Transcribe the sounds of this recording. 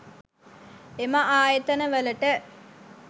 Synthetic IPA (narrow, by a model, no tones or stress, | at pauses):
emaʔaːjet̪ənəʋələʈə